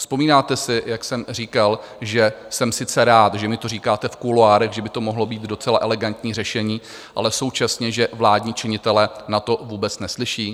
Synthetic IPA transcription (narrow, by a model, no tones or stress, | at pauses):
spo̞miːnaːt̪ɛsɪjaksɛmr̝iːkal | ʒɛsɛmsɪt͡sɛɾaːt̪ʒɛmɪt̪o̞r̝iːkaːt̪ɛfkuloaːɾɛɣʒɛbɪt̪o̞mo̞ɦlo̞biːt̪do̞t͡sɛlaʔɛlɛɡant̪ɲiːrɛʃɛɲiː | ʔa̰lɛso̞wt͡ʃasɲɛʒɛvlaːdɲiːt͡ʃɪɲɪt̪ɛlɛnat̪o̞vuːbɛt͡snɛslɪʃiː